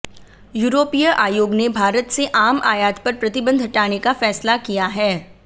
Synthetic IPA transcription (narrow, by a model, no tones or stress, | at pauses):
juːɾoːpijəʔaːjoːɡnebʱaːɾət̪seʔaːmʔa̰ːjaːt̪pɐɾpɾɐt̪ɪbə̃nd̪ʱɦɐʈaːnekafɛːslakijaɦɛː